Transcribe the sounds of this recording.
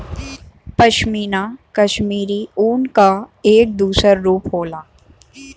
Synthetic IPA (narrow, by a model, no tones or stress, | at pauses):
pɐʃmiːnakɐʃmiːɾiuːnkaeːk̚d̪uːsəɾɾuːpɦoːlaː